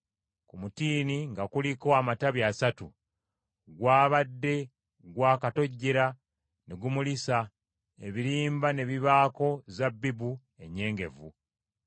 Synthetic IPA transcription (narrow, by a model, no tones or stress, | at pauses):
kumutiːniŋɡakuliko̞amataβjaːsatu | ɡwaːβadːe̞ | ɡwaːkato̞ɟːeɾa | neɡumulisa | ḛβiɾiːmbane̞βiβaːko̞zabːibu | e̞ɲːe̞ːŋɡe̞vu